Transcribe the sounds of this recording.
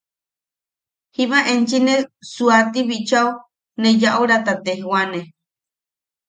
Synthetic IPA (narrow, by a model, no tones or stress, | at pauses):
himãʔent͡ʃinesuat̪iβit͡ʃau | nejaʔuɾat̪at̪eɦwane